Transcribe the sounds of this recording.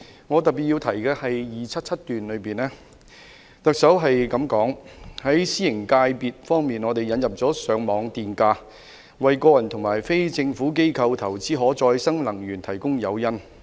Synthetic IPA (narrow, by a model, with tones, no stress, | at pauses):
ŋɔː˨˧t̪ɐ˨pi˨t̚i˧wt̪ʰɐ˨˩jkɛː˧hɐ˨jjiː˨t͡sʰɐ˥t̚t͡sʰɐ˥t̚t̪yː˨nlɵ˨˧ɥpiː˨nlɛː˥ | t̪ɐ˨k̚sɐ˨˥wɦɐ˨jkɐ˨˧˥mkɔː˨˥ŋhɐ˨˥jsiː˥jɪ˨˩ŋkaː˧jpiː˨t̚fɔː˥ŋmiː˨nɔː˨˧t̪e˨jɐ˨˥njɐ˨p̚t͡sɔː˨˥sœː˨˥ŋmɔː˨˧ŋt̪iː˨nkaː˧ | wɐ˨jkɔː˧jɐ˨˩nt̪ʰʊ˨˩ŋmaː˨˩jfe˥jt͡sɪ˧ŋfuː˨˥k̬e˥jkʰɐ˧wt̪ʰɐ˨˩wt͡siː˨˥ɦɔː˨˥t͡sɔː˧jsɐ˥ŋlɐ˨˩ŋɥyː˨˩nt̪ʰɐ˨˩jkʊ˥ŋjɐ˨˧wjɐ˥n